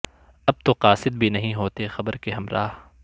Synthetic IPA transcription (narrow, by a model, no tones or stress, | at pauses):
ɐb̚t̪oqaːsɪd̪̚bʱinɐɦĩɦoːt̪exɐbəɾkeɦɐmɾa̰ːɦ